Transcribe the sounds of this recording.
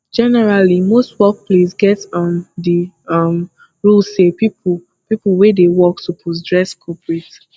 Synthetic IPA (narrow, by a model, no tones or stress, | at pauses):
d͡ʒɛnɛɹalimostwɛk̚plesɡɛtɔ̃ndi | ʌm | ɹulsepip | piplwedewɔk̚tupʰus̬dɹɛskʰɔpɹet